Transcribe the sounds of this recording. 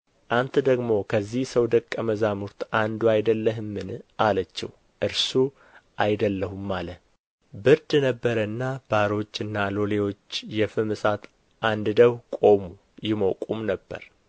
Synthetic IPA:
ʔant̪ʰd̪əɡmo̞kʰəzːihsəwd̪əkʼːəməzamuɾt̪ʰʔand̪uajd̪əlːəɦɨmːɨnʔalət͡ʃːɛw | ʔɨɾsu | ʔajd̪əlːəɦumːalə | bɨɾd̪nəbːəɾənːab̥aɾo̞t͡ʃːɨnːalo̞le̞wo̞t͡ʃːjɛfɨmɨsat̪ | ʔand̪ɨd̪əwkʼo̞mu | jɪmokʼumnəbːə̰ɾ

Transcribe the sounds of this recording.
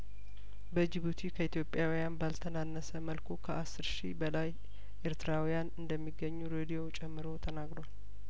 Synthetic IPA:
bəd͡ʒiβut̪ʰikʰəit̪jo̞pʼjawjanbalt̪ʰənanːəsəməlkʰokʰəʔasːɨɾʃibəlaj | ʔe̞ɾt̪ʰɨɾawijanɨnd̪əmːiɡːəɲːuɾed̪ijo̞t͡ʃʼɛmːɨɾo̞t̪ʰənaɡɾowal

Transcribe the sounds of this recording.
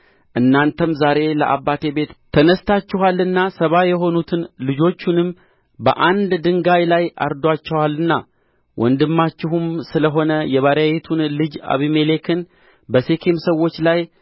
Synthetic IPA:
ʔɨnːant̪ʰəmzaɾe̞lə̰ʔa̰βːat̪ʰe̞be̞t̪t̪ʰənəst̪ʰat͡ʃːɪɦalːɨnːasəβajɛɦo̞nut̪ʰɨnlɨd͡ʒo̞t͡ʃːunɨm | bə̰ʔand̪d̪ɨŋɡajlajʔa̰ɾd̪oat͡ʃːɛwalːɨnːa | wʔɔ̰nd̪ɨmːat͡ʃːɪɦumsɨləɦo̞nəjɛβaɾajet̪ʰunlɨd͡ʒa̰βimelekʰɨn | bəsekʰemsəwːo̞t͡ʃːlaj

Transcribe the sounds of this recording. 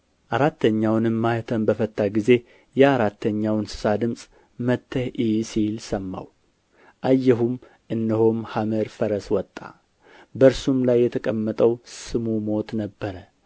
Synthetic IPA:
ʔaɾat̪ːəɲːawnɨmːajt̪ʰəmbəfət̪ʼːaɡize̞ | jɛaɾat̪ʰːəɲːawnsɨ̥sad̪ɨmsʼ | mət̪ʰːəhisilsəmːa̰w | ʔajːɛɦum | ʔɨnːəhomhaməɾfəɾəswɔt̪ʼːa̰ | bəɾsumlajːɛt̪ʰəkʼəmːət̪ʼəwsɨmumo̞t̪nəbːəɾə

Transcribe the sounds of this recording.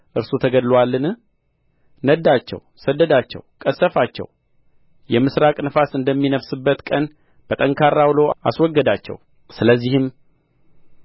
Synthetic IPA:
ʔɨɾsut̪ʰəɡəd̪lwalːɨnɨ | nəd̪ːat͡ʃːɛ̰wsəd̪ːəd̪at͡ʃːɛ̰wkʼəsəfat͡ʃːɛ̰w | jɛmɨsɾakʼnəfasɨnd̪əmːinəfsɨbːət̪kʼən | b̥ət̪ʼəŋkʰarːawlo̞ʔa̰swɔɡːəd̪at͡ʃːɛ̰w | sɨləzːihɨm

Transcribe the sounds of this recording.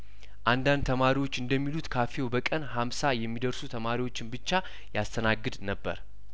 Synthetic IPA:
ʔand̪and̪̚t̪ʰəmaɾiwo̞t͡ʃːɨnd̪əmːilut̪kʰafjewbəkʼənhamsajɛmːid̪əɾsut̪ʰəmaɾiwo̞t͡ʃːɪnbɨt͡ʃːa | jast̪ʰənaɡːɨd̪nəbːə̰ɾ

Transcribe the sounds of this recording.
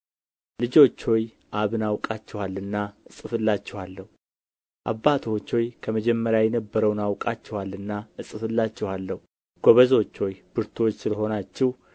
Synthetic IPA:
lɨd͡ʒo̞t͡ʃːo̞j | ʔaβɨnawkʼat͡ʃːɛwalːɨnːaɨsʼɨfɨlːat͡ʃːɛhwalːəhu | ʔa̰bːat̪ʰwot͡ʃːo̞jkʰəməd͡ʒɛmːəɾjajɛnəbːəɾəwnawkʼat͡ʃːɛhalːɨnːaɨsʼɨfɨlːat͡ʃːɛwalːəhu | ɡ̥oβəzo̞t͡ʃːojbɨɾt̪ʰwo̞t͡ʃːsɨləɦo̞nat͡ʃːɪhw

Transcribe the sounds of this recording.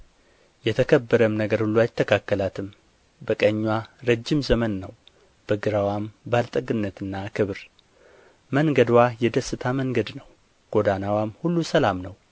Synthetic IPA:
jɛt̪ʰəkʰəbːəɾəmnəɡəɾhulːuajɪt̪ʰːəkʰakːəlat̪ʰɨm | bəkʼəɲːwaɾəd͡ʒːɪmzəmənːəw | b̥əɡɨɾawambalt̪ʼəɡɨnːət̪ɨnːakʰɨβɾ | məŋɡəd̪wajɛd̪əsːɨt̪ʰaməŋɡəd̪nəw | ɡ̥o̞d̪anawamhulːusəlamnəw

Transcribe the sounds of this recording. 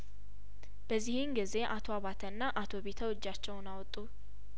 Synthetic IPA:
b̥əzːihɪŋɡize̞ʔat̪ʰo̞aβat̪ʰənːaʔat̪ʰo̞βe̞t̪ʰəwɨd͡ʒːat͡ʃːɛwnawt̪ʼːu

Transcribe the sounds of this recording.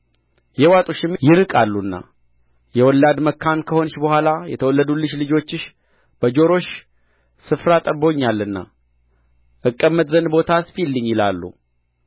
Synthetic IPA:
jɛwat̪ʼuʃɪmjɪɾɨkʼalːunːa̰ | jɛwɔlːad̪məkʰːankʰəho̞nʃbəhwʷalajɛ̰t̪ʰəwɔlːəd̪ulɨʃlɨd͡ʒo̞t͡ʃːɪʃ | b̥əd͡ʒo̞ɾo̞ʃ | sɨfɾat̪ʼəbo̞ɲːalːɨnːa̰ | ʔɨkʼːəmːət̪ʼzənbo̞t̪ʰasfilːɨɲːjɪla̰lːṵ

